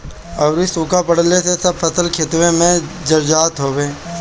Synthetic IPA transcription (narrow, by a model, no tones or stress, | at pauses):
ɐʋɾisũkapəɽ̤lesʰesɐbfʰət̪əlkʰet̪wẽmẽd͡ʒəɾd͡ʒaːt̪ɦoːʋẽː